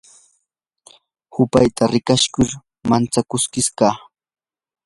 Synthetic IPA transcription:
hʊpajt̪aɾɪkaʃkʊɾ | mant͡sakʊskɪskaː

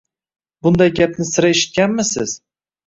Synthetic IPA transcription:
bʊnd̪ajɡʲapnɪsɪɾaeʃɪ̥t̪̚kʲanmɪsɪz̥

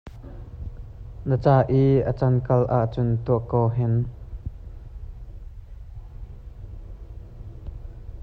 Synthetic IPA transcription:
nət͡saːʔiːʔət͡sɐnkɐlʔaʔt͡sʊnt̪uəʔkːɔːɦɛn

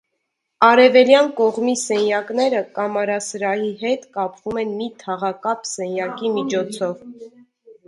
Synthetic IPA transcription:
ɑɾɛvɛljɑnkɔʁmisɛnjɑkn̪ɛɾəkɑmɑɾɑsɾɑjiɦɛt̪kɑpvumɛnmit̪ʰɑʁɑkɑpsɛnjɑkimit͡ʃʰɔt͡sʰɔv

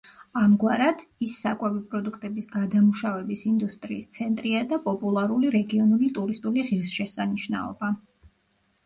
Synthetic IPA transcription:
amɡwaɾad̪̥isːakʼwɛvipʼɾɔd̪ukʰt̪ʼɛbisɡad̪amuʃavɛbisind̪ust̪ʼɾiːst̪sʰɛnt̪ʼɾiad̪apʼɔpʼulˠaɾuliɾɛɡiɔnulit̪ʼuɾist̪ʼuliʁiɾsʃɛsaniʃna̰ɔ̰ba

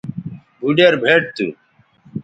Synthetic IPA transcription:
bʱuɖeɾbʱeːʈ̚t̪ṵ

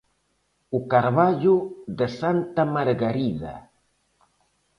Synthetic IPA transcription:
ukaɾβaʒuðəsant̪amaɾɣaɾiða̰

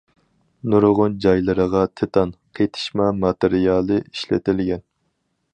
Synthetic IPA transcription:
nuɾʁʊnd͡ʒɑjlˠɨɾəʁɑt̪ʰet̪ʰɑnqʰejt̪ʰɪ̥ʃmɑmɑt̪ɪɾijɑːlˠɨiʃlɪ̰t̪ɪlɡʲɛn

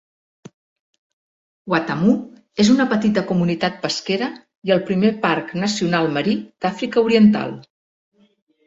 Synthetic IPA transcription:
wat̪əmu | ezunəpət̪it̪əkumunit̪at̪̚pəskeɾə | iəlˠpɾimeparknəsiunalˠməɾid̪̥afɾikəuɾiənt̪a̰lˠ

